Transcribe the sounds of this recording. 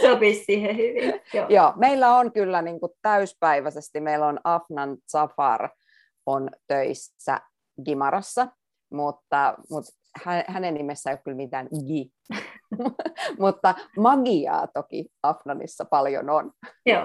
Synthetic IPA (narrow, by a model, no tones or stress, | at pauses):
sopissiːhehyʋijoːjoːmeilːæonkylːæniŋkutt̪æyspæiʋæsest̪imeilonɑfnɑnt̪sɑfɑ̰r | ont̪øis | æ̰ | ɡimɑɾɑsːɑ | mut̪ːɑmut̪ | hænhænennimesːæejok̚ylmit̪æːnɡi | mut̪ːɑmɑɡiɑ̰ːt̪okḭɑfnɑnḭsːɑpɑljo̰nonjoː